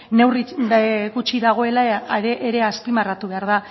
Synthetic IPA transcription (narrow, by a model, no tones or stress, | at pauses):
ne̞wriɣut͡ʃiðaɣ̞o̞e̞laɾeʔeɾeaspimarat̪uβe̞aɾð̞a